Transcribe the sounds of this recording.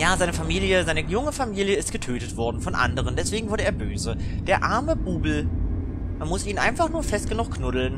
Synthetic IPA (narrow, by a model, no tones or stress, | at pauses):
jaːzaɪnəfamiːljəzaɪnəjʊŋəfamiːljəɪstɡ̥ətʰøːtətv̥ɔɐdn̩fɔnʔa̰ndəʁ̞əndɛsv̥eːɡŋ̩vʊɐdəeːɐbøːzəd̥eːɐʔaɐməb̥uːbl̩ | manmʊsʔiːnʔa̰ɪnfaχnuːɐfɛst̚ɡ̥ənʊχkʰnʊdl̩n